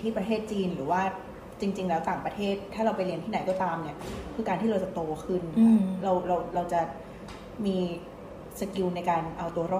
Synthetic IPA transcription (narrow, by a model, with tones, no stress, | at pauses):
t̪ʰiː˥˩pɾa˧t̪ʰeː˥˩t̪̚t͡ɕiː˧nɾɯː˩˦waː˥˩ | t͡ɕi˧ŋt͡ɕi˧ŋlɛː˦˥wt̪aː˨˩ŋpɾa˧t̪ʰeː˥˩t̪ʰːaː˥˩ɾa˧wpa˧jli˧ənt̪ʰiː˥na˨˩˦jkɔː˥˩t̪aː˧mni˥˩ɐkʰɯː˧kaː˧nʰiː˥˩ɾa˧wt͡ɕa˨˩t̪oː˧kʰɯ˥˩nɾa˧wɾa˧wɾa˧wt͡ɕa˨˩ | miː˧ | sa˧ki˧wna˧jkaː˧nʔa˧wt̪u˧ɐɾɔː˥˩